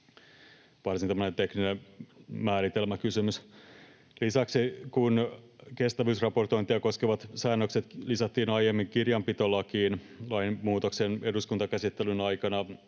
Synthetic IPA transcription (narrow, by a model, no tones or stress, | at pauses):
ʋɑrsint̪æmːonent̪e̞kninemmæːɾit̪elmækysymys | lisæksikunke̞st̪æʋyːsrɑpo̞rt̪oint̪iɑko̞skeʋɑt̪sæːnːøkset̪lisɑt̪ːiːnɑjemːiŋkirjɑmpit̪olːɑkiːn | lɑinmuːt̪okseneduskunt̪ɑkæsit̪ːelynɑjkɑnɑ